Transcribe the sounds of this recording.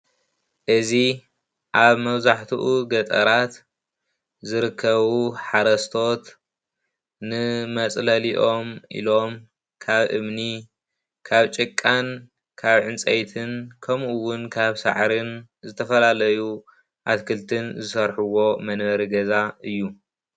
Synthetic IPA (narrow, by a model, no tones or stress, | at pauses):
ʔɨzi | ʔaβmɐβzaħt̪ʰuʔuɡɐt̪ʼɐ̰ɾat̪ | zɨɾɨkʰːɐβuħaɾɐst̪ʰo̞t̪ | nɨmɐt͡sʼlɐliʔo̞mʔḭlo̞m | kʰaβʔɨmni | kʰaβt͡ʃʼɨkʼːan | kʰaβʕɨnt͡sʼejt̪ʰɨnkʰɐmuwʊnkʰaβsa̰ʕɾɨnzɨt̪ʰɐfɐlalɐju | ʔat̪kʰɨlt̪ʰɨnzɨsɐɾħuwo̞mɐnβɐɾiɡɐzaɨjːu